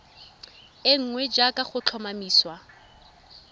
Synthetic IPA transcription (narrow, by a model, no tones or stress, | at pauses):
ɪŋ̩ŋwɛd͡ʒakʼaχʊt͡ɬʰɔmamiːswa